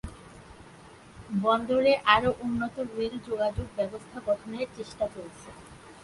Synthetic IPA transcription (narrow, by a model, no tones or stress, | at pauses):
bɔnd̪oɾeʔaɾoʔunːot̪oɾueld͡ʑoɡad͡ʑoɡ̚bɛbost̪ʰaɡɔʈʰoneɾt͡ɕeʃʈat͡ɕolt͡ɕʰe